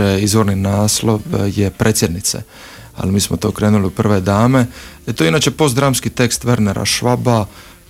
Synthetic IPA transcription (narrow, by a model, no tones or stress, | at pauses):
eizʋo̞ɾninaːsloʋjepɾeːt̪sʲjed̪nit̪sḛ | a̰limiːsmo̰t̪o̞ːkɾe̞ːnuliupr̩ʋed̪aːme̞et̪oinaːt͡ɕepo̞st̪d̪ɾaːmskit̪e̞kst̪ʋeɾneɾa̰ʃʋaba